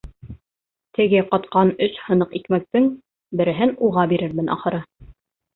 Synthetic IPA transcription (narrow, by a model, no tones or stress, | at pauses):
t̪ɘ̆ɡɘqɑt̪qɑnɵʃhɤ̆nɤqikmæk̚t̪ɘŋ | bɘ̆ɾɘ̆ɦɘnuʁɑbiɾɘɾmɘnʔɑ̰χɤ̆ɾɤ